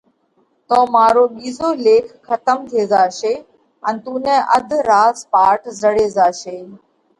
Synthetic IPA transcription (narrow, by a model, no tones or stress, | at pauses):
t̪oːmaːɾoːɓiːzoːleːkʰːət̪əmt̪ʰeːzaːʃeː | ənt̪uːnɛ̃ːʔəd̪ʱɾaːzpaːʈʰzəɽeːzaːʃeː